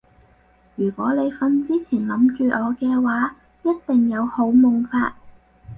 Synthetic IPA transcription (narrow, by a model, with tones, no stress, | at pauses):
jyː˨˩kʷɔː˨˥le˨˧jfɐ˧nt͡siː˥t͡sʰiː˨˩nlɐ˨˥mt͡ʃyː˨˧ʔɔː˨˧kɛː˧waː˨˥ | jɐ˥t̚t̪ɪ˨ŋjɐ˨˧who˨˥wmʊ˨ŋfaː˧t̚